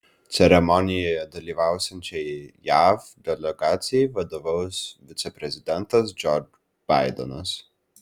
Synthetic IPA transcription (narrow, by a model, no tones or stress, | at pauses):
t̪sʲɛɾɛmɔnʲijɛjɐd̪ɐlʲivawsʲɛnʲt͡ʃɛjjavd̪ʲɛlʲɛɡaːt̪sʲijivɐd̪ɔvəwsvʲit̪sɛpɾɛzʲid̪ʲɛnt̪ɐs̬d͡ʒɔɾd͡ʒ | b̥ajd̪ɛ̰nɐs